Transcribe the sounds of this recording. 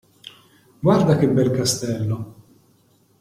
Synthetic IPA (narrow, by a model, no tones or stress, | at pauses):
ɡwaɾd̪akɪbːɛlkast̪ɛlːo